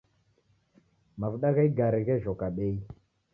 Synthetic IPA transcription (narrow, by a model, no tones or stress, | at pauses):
mavɗakaiɡaɾekeʒokaɓej